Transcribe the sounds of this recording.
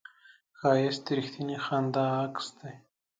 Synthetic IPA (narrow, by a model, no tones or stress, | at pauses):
xaːjest̪iɾixt̪ʰinixand̪aːkst̪e